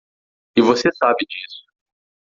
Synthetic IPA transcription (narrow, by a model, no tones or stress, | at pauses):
ɪvosesabɪd͡ʒisʊ̥